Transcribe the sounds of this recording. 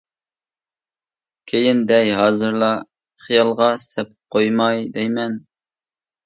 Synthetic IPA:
kʲʰejind̪ɛjɦɑːzɨɾlˠɑ | χijɑlˠʁɑssɛp̚q̚ʰojmɑjd̪ɛjmɛn

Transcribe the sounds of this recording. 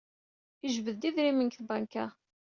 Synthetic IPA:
əʒvəðd̪iðɾimənkθbankæ

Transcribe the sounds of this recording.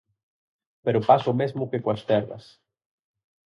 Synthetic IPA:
peɾopasʊmezmʊkekwɐst̪ɛɾðɐ̰s

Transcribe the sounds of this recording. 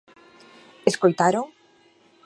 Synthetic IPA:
eskojt̪aɾoŋ

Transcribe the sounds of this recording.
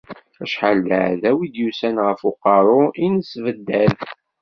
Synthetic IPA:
æʃħəlːəʕðæwid̪jusænʁəfʊqɑɾˤʊinəsvəd̪ːæð

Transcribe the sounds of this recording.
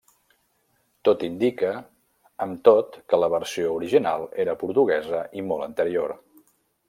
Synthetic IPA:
t̪ot̪ind̪ikə | əmt̪ot̪kələβəɾsiouɾiʒinalˠeɾəpuɾt̪uɣɛzəʔimɔlˠənt̪əɾioɾ

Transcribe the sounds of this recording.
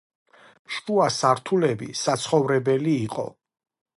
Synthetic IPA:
ʃuasaɾt̪ʰulɛbḭsat̪sʰχɔvɾɛbɛliːqʼɔ̰

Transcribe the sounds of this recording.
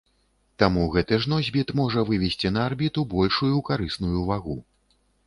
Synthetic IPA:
t̪amuɣɛt̪ɨʐnɔzʲbʲit̪mɔʐɐvɨvʲɛsʲt͡sʲinɐːrbʲit̪ubɔlʲʂujukaɾɨsnujuvaɣu

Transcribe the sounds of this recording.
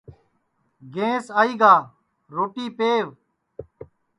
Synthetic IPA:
ɡẽːsaːiːɡaː | ɾoːʈiːpeːʋ

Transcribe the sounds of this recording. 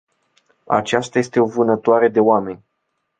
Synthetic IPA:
a̰t͡ʃast̪aje̞st̪e̞o̞vɨnət̪oaɾe̞d̪e̞oame̞nʲ

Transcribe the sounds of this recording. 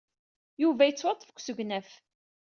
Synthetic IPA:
juvæjət͡sːwɑt̪ˤːfə̥kʷːsəʝnæf

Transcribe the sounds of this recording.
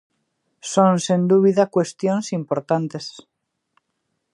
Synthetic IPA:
sõnsend̪uβiðakwe̞st̪jonsimpo̞ɾt̪ant̪e̞s

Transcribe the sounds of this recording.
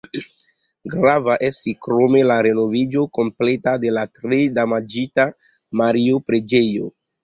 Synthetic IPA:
ɡɾavaʔestikɾo̞me̞laɾe̞no̞vid͡ʒo̞ko̞mple̞tade̞latɾedamad͡ʒita | maɾiopɾe̞d͡ʒejo̰

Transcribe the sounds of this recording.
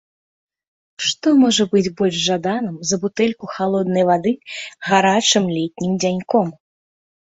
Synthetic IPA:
ʂt̪ɔmɔʐɐbɨd͡zʲbɔlʲʐʐad̪anɨmzɐbut̪ɛlʲkuxalˠɔd̪̚nɐjvad̪ɨɣaɾat͡ʂɨmlʲɛt̪ʲnʲimd͡zʲanʲkɔm

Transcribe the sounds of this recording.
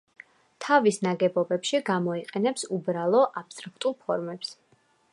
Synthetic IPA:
t̪ʰavisnaɡɛbɔbɛpʃiɡamɔiqʼɛnɛpsubɾalˠɔʔapst̪ʼɾakʰt̪ʼulˠpʰɔɾmɛps

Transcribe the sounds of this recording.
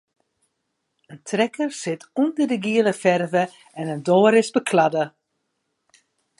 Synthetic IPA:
əntʰrɛkərsɪtʰundərdəɡiələfɛrvə | ɛnəndoːəɾɪsbəkʰladə

